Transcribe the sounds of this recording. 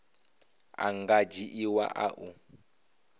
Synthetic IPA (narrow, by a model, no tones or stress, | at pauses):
a̰ŋɡad͡ʒiʔiwa̰ʔaʔu